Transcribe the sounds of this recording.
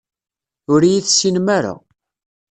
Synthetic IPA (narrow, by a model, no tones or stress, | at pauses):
ʊɾijiθsinmaɾa̰